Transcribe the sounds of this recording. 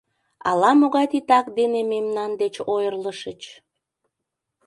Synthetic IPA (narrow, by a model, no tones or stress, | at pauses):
ɑ̰lɑmoɣɑjt̪it̪ɑkd̪enememnɑnd̪et͡ɕojərləʃət͡ɕ